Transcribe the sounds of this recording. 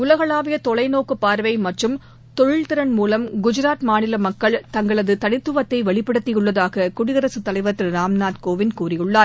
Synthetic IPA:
ʊlɐɣɐɭaːʋɪjɐt̪ɔɭɐɪnoːkɯpːaːɾʋɐɪmɐʈrɯm | t̪ɔɻɪɭt̪ɪɾɐnmuːlɐmɡʊd͡ʒɪɾaːt̪maːnɪlɐmɐkːɐɭt̪ɐŋɡɐɭɐðɯt̪ɐɳɪt̪ːɯʋɐt̪ːɐɪʋɐɭɪpːɐɽɯt̪ːɪjɯɭːɐðaːɣɐkʊɽɪɣɐɾɐsɯt̪ːɐlɐɪʋɐʈrɯɾaːmnaːt̪koːʋɪnkuːrɪjɯɭːaːɾ

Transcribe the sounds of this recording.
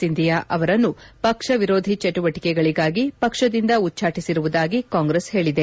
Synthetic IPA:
sind̪ʱijaːʔɐʋɐɾɐnːupɐkʂɐʋiɾoːd̪ʱit͡ʃeʈuʋɐʈi̥kɛɡɐɭiɡaːɡipɐkʂɐd̪ind̪ɐutːt͡ʃʰaːʈisiɾuʋud̪aːɡikaːŋɡɾeshe̞ːɭid̪e̞

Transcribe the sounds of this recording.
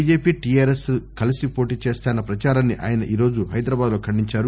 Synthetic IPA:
d͡ʒeːpiːʈijaːɾesukɐlisipo̞ːʈiːt͡ʃeːst̪aːnːɐpɾɐt͡ʃaːɾanːiʔa̰ːjɐnɐʔiːɾo̞ːd͡ʒuɦɐjd̪ɾɐbaːd̪lo̞ːkʰɐɳɖiɲt͡ʃaːɾu

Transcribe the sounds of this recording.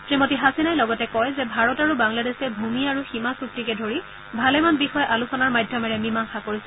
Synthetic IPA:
tɹimotiɦasinajlɔɡɔtɛkɔjzɛbʱaɹɔtaɹubaŋladesɛbʱumiaɹuximasuk̚tikɛdʱoɹi | bʱalɛmanbixɔjʔalusɔnaɹmajdʱjɔmɛɹɛmimaŋxakoɹisɛ̥

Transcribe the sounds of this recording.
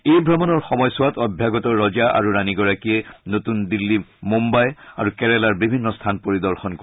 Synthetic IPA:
ejbʱɹamɔnɔɹxɔmɔjsʊwatɔbʱjaɡɔtɔɹːɔzaʔa̰ɹuɹaniɡɔɹakijɛnotundilːimumbaja̰ɹukɛɹɛlaɹbibʱinːɔstʰanpoɹidɔɹxɔnko

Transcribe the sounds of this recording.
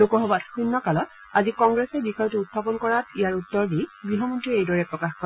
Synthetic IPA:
lokɔɦɔbatxunːɔkalɔt | azikɔŋɡɹesɛbixɔjɔtuuttʰːapɔnkɔɹatijaɹutːɔɹdibɹiɦɔmɔntɹiejdɔɹɛpɹɔkaxkɔ

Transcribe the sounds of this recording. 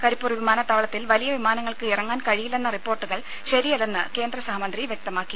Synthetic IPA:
kɐɾipːuːrʋimaːnɐt̪ːaːʋɭɐt̪ːilʋɐlijɐʋimaːnɐŋːɐɭkɨirɐŋːaːnkɐɻijilːe̞nːɐripːo̞ːrʈːɨɣɐɭ | ɕɐɾijɐlenːɨke̞ːnd̪rɐsɐɦmɐnd̪riʋjek̚t̪ɐmaːkːi

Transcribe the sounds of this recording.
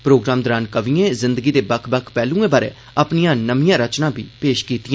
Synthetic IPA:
pɾoːɡɾaːmd̪əɾaːnkəʋiẽːzɪnd̪əɡiːd̪eːbəkʰbəkʰpɛːlũːẽːbaːɾḛː | əpnijãːnəmɪjãːɾət͡ʃnãːbʱḭːpeːʃkiːt̪ijãː

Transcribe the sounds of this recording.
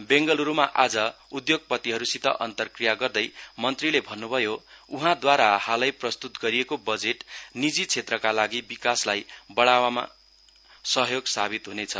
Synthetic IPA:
beŋɡʌluɾumaʔad͡zʌud̪joɡ̚pʌt̪iɦʌɾusit̪ʌ̰ʔʌnt̪ʌrkrijaɡʌrd̪ʌjmʌnt̪rilebʱʌnːubʱʌjouɦãd̪waɾahalʌjprʌst̪ut̪ɡʌɾijekobʌd͡zeʈnid͡zit͡sʰet̪rʌkalaɡibikaslajbʌɽawama̰ | sʌɦjoɡsabit̪ɦunet͡sʰʌ̰

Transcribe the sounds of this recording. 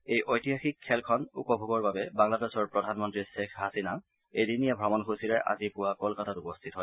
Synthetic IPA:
ejʔojtiɦaxikʰːɛlkʰɔnṵpɔbʱuɡɔɹbabɛbaŋladesɔɹpɹɔdʱanmɔntɹisexɦasina | ejdinijabʱɹamɔnxusiɹɛʔa̰zipʊwakɔlkatatupɔstʰitɔɦɔj

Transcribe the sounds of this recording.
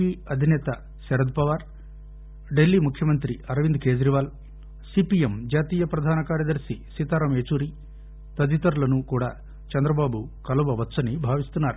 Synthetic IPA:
iːɐd̪ʱinɛːt̪ɐ | sɛɾɐd̪̚pɐʋaːɾ | ɖe̞lːiːmukʰjɐmɐnt̪ɾiɐɾɐʋind̪̚ke̞ːd͡ʒɾiʋaːl | siːpijemd͡ʒaːt̪iːjɐpɾɐd̪ʱaːnɐkaːɾjɐd̪ɐɾsisit̪aːɾɐmeːt͡ʃuːɾi | t̪ɐd̪it̪ɐɾulɐnukuːɽaː | t͡ʃɛnd̪ɾɐbaːbukɐluʋɐʋɐt͡ʃsɐnibʱaːʋist̪unːaːɾu

